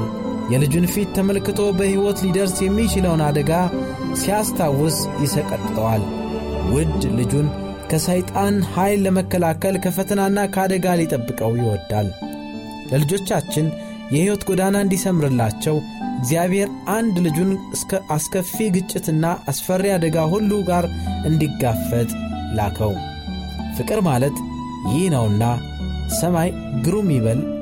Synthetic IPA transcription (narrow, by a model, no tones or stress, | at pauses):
jɛlɨd͡ʒunfit̪ːəməlkɨt̪ʰo̞bəhiwɔt̪lid̪əɾsjɛmːit͡ʃɪləwnad̪əɡa | sijast̪ʰawːɔsjɪsəkʼət̪ʼt̪ʼəwal | wʊd̪lɨd͡ʒun | kʰəsajt̪ʼanhajlːəməkːəlakəlkʰəfət̪ʰənanːakʰəad̪əɡalit̪ʼəbːɨkʼəwjɪwɔd̪ːa̰l | ləlɨd͡ʒo̞t͡ʃːat͡ʃːɪn | jɛhɪwɔt̪ɡod̪anaɨnd̪isəmɨɾɨlːat͡ʃːɛwɪɡzijaβhe̞ɾand̪lɨd͡ʒunsʰʔaskʰəfiɡɨt͡ʃʼːɪt̪ɨnːaʔasfərːiad̪əɡahulːuɡaɾʔɨnd̪iɡːafət̪ʼla̰kʰəw | fɨkʼɨɾmalət̪ | jɪhnəwɨnːa | səmaj | ɡɨɾumiβəl